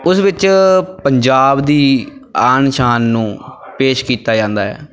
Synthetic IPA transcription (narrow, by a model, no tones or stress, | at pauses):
ʊsʋɪt͡ʃpəɲd͡ʒaːbd̪iːaːnʃaːnːũːpeːʃkiːt̪aːd͡ʒãːnd̪aːɦɛ̰ː